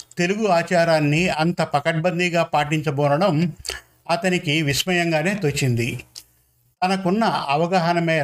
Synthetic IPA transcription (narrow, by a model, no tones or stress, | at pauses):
t̪e̞luɡuaːt͡ʃaːɾaːnːiɐnt̪ɐpɐkɐʈ̚bɐnd̪iɡaːpaːʈiɲt͡ʃɐbɔːnɐɽɐm | ɐt̪ɐnikiʋismɐjɐŋɡaːne̞ːt̪ot͡ʃːind̪i | t̪ɐnɐkunːɐɐʋɐɡaːɦɐnɐmeː